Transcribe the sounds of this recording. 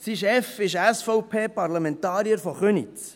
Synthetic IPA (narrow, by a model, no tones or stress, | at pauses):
siʃɛfɪʃæsfɔʊpʰeːpɑɾlamɛntɑːɾiəɾfɔχønḭt͡s